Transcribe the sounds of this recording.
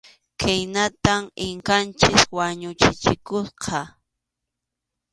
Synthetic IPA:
kʰajnat̪amɪŋkant͡ʃɪswaɲʊt͡ʃɪt͡ʃɪkʊsqʰɑ

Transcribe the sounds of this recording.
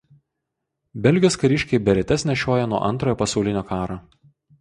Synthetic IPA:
bʲɛlʲɡʲɪoːskɐɾʲɪʃʲkʲɛɪbʲɛɾʲɛt̪ʲɛsʲnʲɛʃʲoːjɛnuɔʔɐ̰nt̪ɾoːjoːpɐsɒʊlʲɪnʲoːkɑːɾoː

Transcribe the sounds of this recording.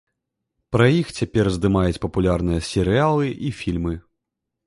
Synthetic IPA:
pɾɐjixt͡sʲapʲɛrzd̪ɨmajut͡sʲpɐpulʲarnɨjɐsʲɛɾɨalˠɨʔifʲilʲmɨ

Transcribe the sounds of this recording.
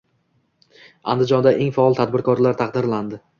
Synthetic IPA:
a̰nd̪ɪd͡ʒɒnd̪aʔeŋfaɒlˠt̪ʰad̪̚bɪɾkʰɒɾlaɾt̪ʰaqd̪ɪɾland̪ɪ

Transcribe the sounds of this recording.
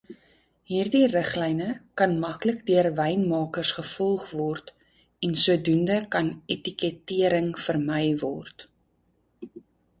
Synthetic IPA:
ɦiːrdirəχlɛjnəkɐnmɐkləkdiərvɛjnmɑːkərsχəfɔlˠχvɔrt | ɛnsuədundəkɐnetikɛtiəɾəŋfərmɛjvɔrt

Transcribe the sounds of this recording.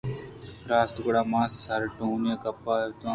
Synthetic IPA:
ɾaːst̪ʊkɽaːmaːsːaɾʈũːnakəpːaːt̪ː

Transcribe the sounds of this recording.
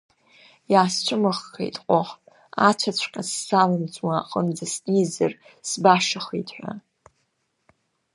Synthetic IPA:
jaːst͡ʃʷʰʊmɨχːʰḛjtʼqʼoħ | at͡ʃʷʰat͡ɕʷʰqʲʼasːalɨnt͡sʼwaqʼənd͡zasnizar | sbaʂaχitʰʼħʷa̰

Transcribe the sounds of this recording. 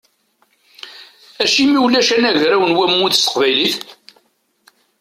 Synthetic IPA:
æʃimiwlːæʃænæʝɾæwənwæmuθsə̥qvæjliθ

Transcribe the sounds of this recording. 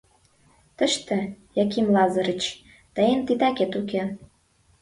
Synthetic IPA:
t̪əʃt̪ĕjɑk̬imlɑzəɾət͡ɕ | t̪əjənt̪it̪ɑket̪uke

